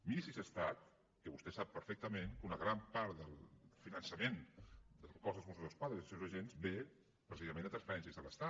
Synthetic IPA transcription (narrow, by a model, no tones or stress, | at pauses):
misizəst̪at̪̚ | kəβust̪ɛsapːəɾfɛk̚t̪əmeŋkunəɣɾampaɾt̪d̪əlˠfinənsəmend̪əlkɔzðəlzmosozðəlˠspwaðɾəzisewzəʒenzbe | pɾəsizəmenət̪ɾənsfəɾɛnsjizðələst̪a